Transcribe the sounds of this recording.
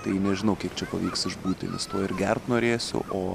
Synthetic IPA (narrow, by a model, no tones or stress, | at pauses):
t̪ɐɪnʲɛʒʲɪnɐʊkʲiɛkt͡ʃʲɛpɐʋʲiːksɪʒbuːt̪ʲɪ̰nʲɛ̰st̪oːɪɾɡʲɛrt̪noːɾʲeːsʲʊ̰ʔoː